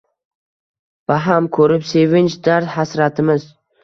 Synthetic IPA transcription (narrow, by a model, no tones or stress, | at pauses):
b̥aɦamkʰɵɾɪpse̞vɪnt͡ʃd̪aɾt̪hasɾat̪ʰɪmɪz